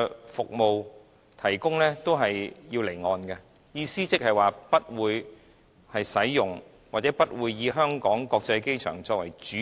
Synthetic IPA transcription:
fʊ˨k̚mo˨w | t̪ʰɐ˨˩jkʊ˥ŋlɛː˥t̪o˥wɦɐ˨jjiː˧wle˨˩jŋɔː˨nkɐ˧ | jiː˧siː˥t͡sɪ˥k̚hɐ˨jwaː˨pɐ˥t̚wuː˨˧j | hɐ˨jsɐ˨˥jjʊ˨ŋ | waː˨˩t͡sɛː˨˥pɐ˥t̚wuː˨˧jːiː˨˧ɦœː˥ŋkɔː˨˥ŋkɔː˧k̚t͡sɐ˧jke˥jt͡ʃʰœ̰ː˨˩ŋt͡sɔː˧k̚wɐ̰˨˩jt͡ʃyː˨˥

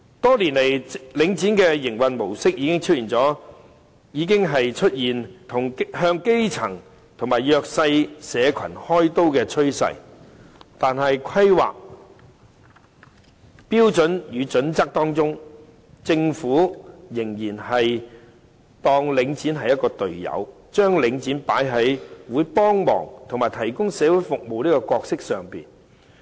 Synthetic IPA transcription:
t̪ɔː˥li˨˩nle˨˩jlɪ˨˧˥ŋt͡siː˨˥nkɛː˧jɪ˨˩ŋwɐ˨nmo˨˩wsɪ˥k̚jiː˨˧kɪ˥ŋt͡sʰɵ˥jiː˨˩nt͡sɔː˨˥ | jiː˨˧k̬ɪ˥ŋɦɐ˨jt͡ʃʰɵ˥t̚jiː˨˩nt̪ʰʊ˨˩ŋhœː˧ŋke˥jt͡sʰɐ̰˨˩ŋ | t̪ʰʊ˨˩ŋmaː˨˩jjœː˧k̚sɐ˧jsɛː˨˧kʰɐ̰˨˩nhɔː˥jt̪o˥wkɛː˧t͡ʃʰɵ˥ɥsɐ̰˨˥j | t̪aː˨nɦɐ˨jkʷʰɐ˥jwa̰ː˨k̚ | piː˥wt͡sɵ˨˥njyː˨˧t͡sɵ˨˥nt͡sɐ˥k̚t̪ɔː˥ŋt͡sʊ˥ŋ | t͡sɪ˧ŋfuː˨˥jɪ˨˩ŋjiː˨˩nhɐ˨j | t̪ɔː˧ŋlɪ˨˧ŋt͡siː˨˥nɦɐ˨jɐ˥t̚kɔː˧t̪ɵ˨ɥjɐ̰˨˧w | t͡ʃœː˥ŋlɪ˨˧ŋt͡siː˨˥npaː˨˥jɦɐ˨˥jwuː˨˧˥jpɔː˥ŋmɔ̰ː˨˩ŋt̪ʰʊ˨ŋmaː˨˩jt̪ʰɐ˨˩jkʊ˥ŋsɛː˨˧wu˨˥jfʊ˨k̚mo˨wniː˥kɔː˧kɔː˧k̚sɪ˥k̚sœː˨˩ŋpḭː˨˩n

